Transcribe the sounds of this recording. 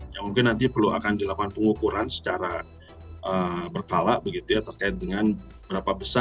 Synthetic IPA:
jamuŋkɪnːant̪ipərlua̰kandilakwanpəŋukuɾansə̥t͡ʃaɾa | ʔəbərkalaʔbəɡit̪ujat̪ərkaɪt̪̚dəŋan | bəɾapabəsa

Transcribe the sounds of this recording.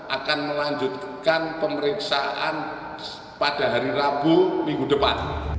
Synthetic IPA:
ʔakanməlaɲd͡ʒʊt̪̚kanpəməɾiksaʔa̰n | pad̥a̤ɦaɾiɾab̥umiŋɡud̥əpa̰n

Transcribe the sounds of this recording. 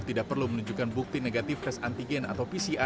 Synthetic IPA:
t̪idaʔ̚pərlumənuɲd͡ʒukanbuk̚t̪ineɡat̪ɪfkɛsant̪iɡɛna̰t̪awpisiʔa

